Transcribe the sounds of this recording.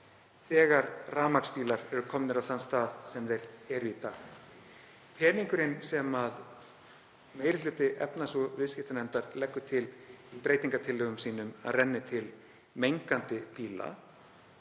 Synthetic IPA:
θɛːɣaɾraːmakspiːlaɾɛɾʏkʰɔmnɪɾawθanst̪aːðsɛmðejɾɛɾʏiːt̪ax | pʰɛːniŋkʏɾɪnsɛmað | meːjɾɪlʏːt̪ɪʔɛ̰pnasɔvɪscɪht̪anɛnt̪aɾlɛkːʏt̪ʰɪlipɾeːjt̪iŋkat̪ʰɪlœɣʏmsiːnʏma̰ðrɛnːɪt̪ʰɪl | mejŋkant̪ɪpiːla̰

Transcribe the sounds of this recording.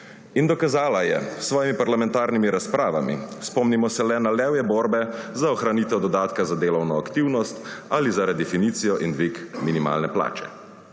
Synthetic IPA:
ind̪ɔkazaːlajɛsʋɔːjimipaɾlamɛ̃nt̪aːɾnimiɾaspɾaːʋamḭspɔmnimɔsɛlɛnalɛwjɛbɔːɾbɛzaɔxɾaniːt̪ɛwd̪ɔd̪aːt̪kazad̪eːlɔwnɔakt̪iwnɔst̪alizaɾɛd̪ɛfiniːt̪sijɔʔind̪ʋikminima̰ːlnɛpla̰ːt͡ʃɛ̥̰

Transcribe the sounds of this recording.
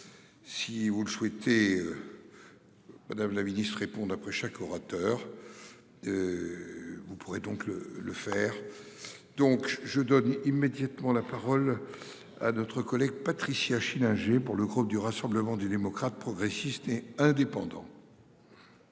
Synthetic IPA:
sivuləswɛt̪eø | mad̪amlaminist̪χʁepɔ̃d̪apχɛʃakʰɔʁat̪œːʁ | ø | vupuʁed̪ɔ̃klə̰ləfɛːʁ | d̪ɔ̃kʒəd̪ɔnimed̪jat̪mɑ̃lapaʁɔl | a̰nɔt̪χəkɔlɛɡ̚pat̪χisjaʃilɛ̃ʒepuʁləɡʁup̚d̪yʁasɑ̃bləmɑ̃d̪yd̪emɔkχat̪̚pχɔɡʁesist̪eɛ̃d̪epɑ̃d̪ɑ̰̃

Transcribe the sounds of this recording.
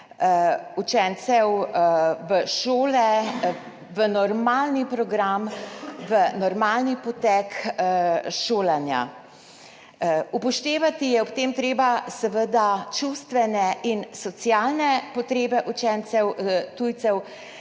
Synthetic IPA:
ut͡ʃɛnt̪sɛw | ʋəʃoːlɛ | ʋənɔɾmaːlnipɾɔɡɾamʋənɔɾmaːlnipɔt̪ɛk | ʃoːlanja̰ | upɔʃt̪eːʋat̪ijɛɔpt̪eːmt̪ɾeːbasɛʋəd̪at͡ʃust̪ʋɛnɛʔinsɔt̪sijalnɛpɔt̪ɾeːbɛʔut͡ʃɛnt̪sɛwt̪uːjt̪sɛw

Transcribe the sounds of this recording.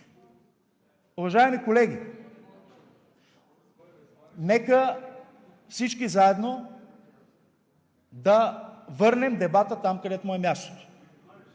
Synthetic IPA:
ʊvɐʒaɛmikolɛɡʲi | nɛkə | fsit͡ʃkizaɛd̪no | d̪ɐvɤɾnɛmd̪ɛbat̪ət̪amkɐd̪ɛt̪ʊmɔɛmʲjast̪o̥t̪o̥

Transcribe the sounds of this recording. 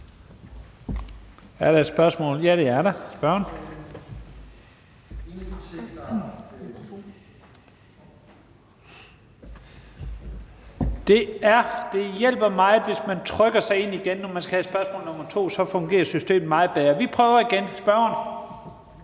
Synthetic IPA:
æɐɾ̥ɑ̈d̥sb̥ɶɐsmɔ̰ːljæɾ̥e̝æɐɾɑsb̥ɶɐn | d̥e̝æɐd̥e̝jel̰b̥ɐmɑ̈ɪð̩ˠʋe̝smænt͡sʰʁœɡ̥ɐsɑ̈ɪe̝n̰iɡ̥enːɒmænsɡ̥æhæɪd̥sb̥ɶɐsmɔ̰ːlnɔ̽mɐt͡sʰo̝̰ːsɒ̽fɔ̽ŋɡ̥e̝̰ːɐsysd̥e̝̰ːm̩mɑ̈ːð̩ˠb̥eːɐʋipʰʁœːʊɐiɡ̥ensb̥ɶɐɐn

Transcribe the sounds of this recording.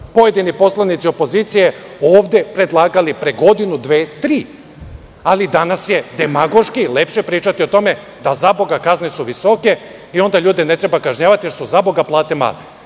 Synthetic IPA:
po̞je̞d̪inipo̞slˠanit̪sio̞po̞ziːt̪sije̞oːʋd̪e̞pɾe̞d̪lˠaːɡalipɾe̞ɡo̞d̪inud̪ʋeːt̪ɾiː | alid̪anasje̞d̪e̞maɡo̞ʃkile̞pʃe̞pɾiːt͡ʃat̪io̞t̪o̞me̞ | d̪azabo̞ɡakaznesuʋiso̞ke̞ | io̞nd̪aʎuːd̪enet̪ɾe̞bakaʒɲaːʋat̪ijesuzabo̞ɡaplˠaːt̪ema̰ːle

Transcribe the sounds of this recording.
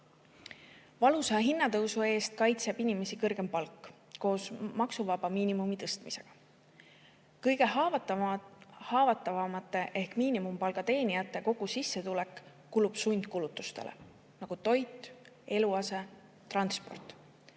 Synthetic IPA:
vɑlusɑɑɦinːɑt̪ɤwsue̞ːst̪̚kɑjt̪se̞b̥inime̞sikɤrɡ̥e̞mpɑlkːˑ | ko̞ːsmɑksuvɑb̥ɑmiːnimumit̪ɤst̪mise̞ɡ̥ɑ̥ | kɤjɡ̥e̞ɦɑt̪ | hɑːvɑt̪ːˑɑvɑmɑt̪ːˑe̞ʔe̞hkmiːnimumpɑlɡ̥ɑt̪e̞ːnijɑt̪ːˑe̞ko̞ɡ̥usisːe̞t̪ule̞kː | ulub̥sujnʲd̪̥̚kulut̪ːˑust̪e̞̰lʔḛ | nɑɡ̥ut̪o̞jt̪ːˑ | e̞luɑse̞ | t̪ːrɑnspo̞̰rt̪ˑ

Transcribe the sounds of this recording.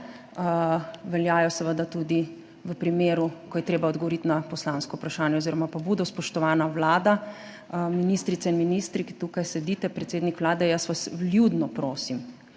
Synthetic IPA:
ʋɛljaːjɔsəʋəd̪at̪ud̪i | ʋəpɾimeːɾukɔjɛt̪ɾeːbaɔd̪ɡɔʋɔɾit̪napɔslaːnskɔupɾaʃaːnjɛoziɾɔmapabuːd̪ɔspɔʃt̪ɔʋaːnaʋlaːd̪a | minist̪ɾit̪sɛinminist̪ɾikit̪ukajsɛd̪it̪ɛpɾɛt̪seːd̪nikʋlaːd̪ɛjəsʋasljud̪nɔpɾoːsim

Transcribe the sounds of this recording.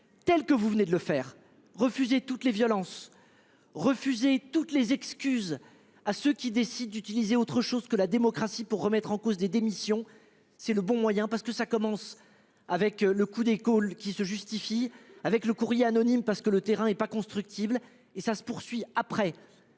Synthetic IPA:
t̪ɛlkəvuvəned̪ələfɛːʁ | ʁəfyzet̪ut̪levjɔlɑ̃s | ʁəfyzet̪ut̪lezɛkskʲyz | asøkʲid̪esid̪̚ːyt̪ilizeot̪χəʃozkəlad̪emɔkχasipuʁːəmɛt̪χɑ̃kozd̪ed̪emisjɔ̃ | sɛləbɔ̃mwajɛ̃paʁsəkəsakɔmɑ̃s | avɛkləkud̪ekolkʲisəʒyst̪ifiavɛkləkuʁjeanɔnimpaʁsəkələt̪eʁɛ̃ɛpakɔ̃st̪χyk̚t̪ʰibl | esasə̥puʁsɥiapχɛ

